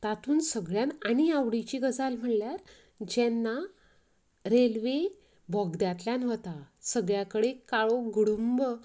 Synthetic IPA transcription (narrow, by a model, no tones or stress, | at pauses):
t̪at̪uːnsəɡɭjanañiaʋɽit͡ɕiɡəd͡zalm̤əɽljaɾ | d͡ʑɛnːa | ɾelʋe | bʱɔɡd̪jat̪ljanɦot̪asəɡɭjakəɽekaɭoɡuɽumbə